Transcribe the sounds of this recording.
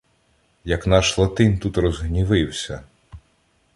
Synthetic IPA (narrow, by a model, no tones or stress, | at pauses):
jɐknɑʃlˠɐt̪ɪnt̪ut̪rɔzɦnʲiʋɪwsʲɐ